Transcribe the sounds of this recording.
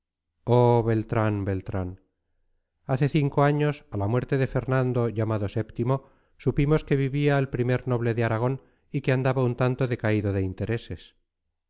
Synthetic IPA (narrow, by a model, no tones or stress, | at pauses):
oβe̞lt̪ɾanbe̞lt̪ɾan | aθe̞θiŋko̞aɲo̞salamwe̞ɾt̪e̞ðe̞fe̞ɾnãnd̪o̞ʝamaðo̞se̞pt̪imo̞ | supimo̞ske̞βiβiaelpɾime̞ɾno̞β̞le̞ðeaɾaɣ̞o̞n | ikeand̪aβaunt̪ant̪o̞ðe̞kaiðo̞ðe̞int̪e̞ɾe̞se̞s